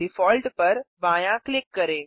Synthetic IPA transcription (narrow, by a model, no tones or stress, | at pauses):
ɪfɔːlʈpɐɾbãːjãklɪkːɐɾeː